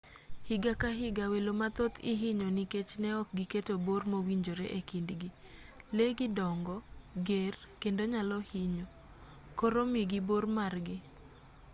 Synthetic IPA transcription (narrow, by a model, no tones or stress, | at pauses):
hɪɡakaɦɪɡawelomat̪ot̪ɪɦɪɲoniket͡ʃnɛɔk̚ɡiketobormowiɲd͡ʒoɾeʔekindɡi | leɡidɔŋɡɔɡer | kendoɲalɔhiɲo | koɾomiɡibormarɡɪ